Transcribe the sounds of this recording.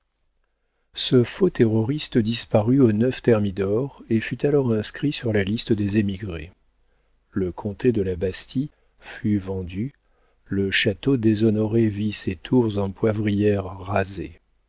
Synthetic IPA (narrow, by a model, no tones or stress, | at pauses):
səfot̪eʁɔʁist̪əd̪ispaʁyonœft̪ɛʁmid̪ɔʁefyt̪alɔʁɛ̃skχisyʁlalist̪əd̪ezemiɡʁe | ləkʰɔ̃t̪ed̪əlabast̪ʰi | fyvɑ̃d̪y | ləʃat̪od̪ezɔnɔʁeviset̪ʰuʁzɑ̃pwavʁijɛʁːazḛ